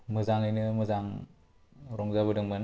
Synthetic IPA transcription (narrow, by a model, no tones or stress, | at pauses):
mɯzaŋɯjnɯmɯzaŋ | ɾɔŋzabɯdɯŋman